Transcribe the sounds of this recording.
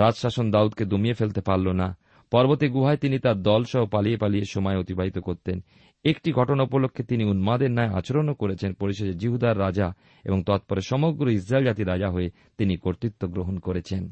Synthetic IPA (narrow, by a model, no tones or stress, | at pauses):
ɾad͡ʑʃaʃond̪aud̪̚ked̪omiefelt̪epaɾlːona | pɔɾbot̪iɡuɦaet̪init̪aɾd̪ɔlʃɔɦopaliepalieʃɔmɔeot̪ibʱaɦit̪okoɾt̪en | ekʈiɡʱɔʈonaupolokʰːet̪iniunmad̪eɾnaea̰t͡ɕoɾonokoɾet͡ɕʰenpoɾiʃ̬od͡ʑed͡ʑiɦud̪aɾːad͡ʑa | ḛboŋt̪ɔt̪̚poɾeʃɔmoɡɾois̬ɾaeld͡ʑat̪iɾad͡ʑaɦoe | t̪inikoɾt̪it̪ːoɡɾoɦonkoɾet͡ɕʰen